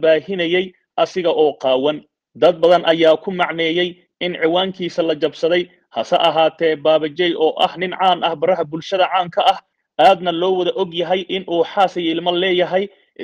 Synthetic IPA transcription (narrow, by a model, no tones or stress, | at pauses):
baːɦɪnɐjɛj | ʔɐsɪɣɐʔɔːqɑːwɐn | d̪ɐd̪̚bɐðɐnʔɐjaːkʰʊmɑʕnɛːjɛj | ʔɪnʕɪwaːŋkʰiːsɐlɐt͡ʃɐbsɐðɛj | hɐsɐ̰ʔɐɦaːt̪ʰɛːbaːβɐt͡ʃɛjʔɔːʔɐ̰hnɪnʕaːnɐhbɐrɐɦɐbʊlʃɐðɐʕaːŋkʰɐɐh | ʔaːd̪nɐlɔːwɐðɐʔɔɡjɐɦɛjʔɪnʔuːħaːsɪjɪlmɐlɛːjɐɦɛj | ʔ